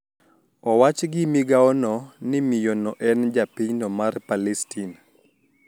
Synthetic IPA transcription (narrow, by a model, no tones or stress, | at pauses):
ɔwat͡ʃɡɪmiɡaɔnɔnɪmijonɔʔɛnd͡ʒapiɲnɔmarpalɛstin